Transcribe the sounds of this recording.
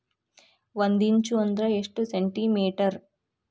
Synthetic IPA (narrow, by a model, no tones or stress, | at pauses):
ʋɐnd̪iɲt͡ʃuɐnd̪ɾɐeʂʈuseɳʈimeːʈɐɾ